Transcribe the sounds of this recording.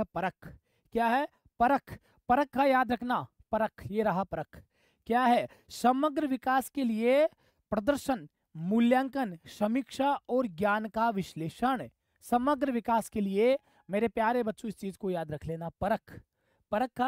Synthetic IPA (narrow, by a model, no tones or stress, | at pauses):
pɐɾəkʰ | kjaːɦɛ | pɐɾəkʰ | pɐɾəkʰːajaːd̪ɾɐkʰna | pɐɾəkʰjeɾɐɦapɐɾəkʰ | kjaːɦɛ | sɐməɡɾəʋɪkaːskelie | pɾɐd̪əɾʃən | mʊljãːŋkənʃɐmikʃaɔːɾɡjaːnkaʋɪʃleːʃəɽ̃ | sɐməɡɾəʋɪkaːskelie | meːɾepjaːɾebɐtːʃõɪst͡ʃiːzkojaːd̪ɾɐkʰleːnapɐɾəkʰ | pɐɾəkːa